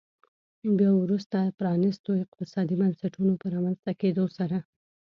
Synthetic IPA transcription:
bjɑwɾust̪apɾɑnɪst̪oɪqt̪ɪsɑd̪ibansaʈunopəɾɑmanzt̪aked̪osaɾa

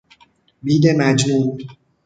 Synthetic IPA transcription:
biːd̪emæd͡ʒmuːm

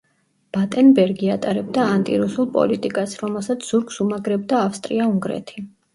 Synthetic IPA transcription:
b̥at̪ʼɛnbɛɾɡiat̪ʼaɾɛb̚d̪aːnt̪ʼḭɾusulˠpʼɔ̰lit̪ʼikʼasɾɔmɛlˠsat̪sʰz̥uɾkʼsumaɡɾɛb̚d̪aːfst̪ʼɾiauŋɡɾɛ̰t̪ʰi

